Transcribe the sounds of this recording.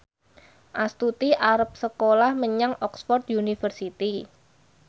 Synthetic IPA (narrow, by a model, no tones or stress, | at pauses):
ʔast̪ut̪iʔaɾəp̚səkolahməɲaŋɔksfɔrt̪̚iunifərsit̪i